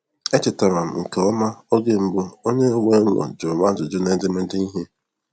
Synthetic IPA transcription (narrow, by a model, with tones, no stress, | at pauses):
e˦t͡ʃɪ˨ta˨ɾa˨m̩˨ŋ̩˨ke˨ɔ˦ma˦o˦ɡe˦m̩˦bʊ˦o˦ɲe˦o˦we˦ŋɔ̰˨d͡ʒʊ˨ma˦d͡ʒʊ˨d͡ʒʊ˦ne˦n̩˦dɪ˦mɪ˦n̩˦dɪ˦ni˦ɦe˦